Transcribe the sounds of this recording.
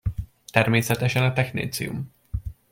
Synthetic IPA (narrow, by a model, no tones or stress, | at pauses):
t̪ɛrmeːsɛt̪ɛʃɛnɒt̪ɛxnḛːt̪sḭjṵm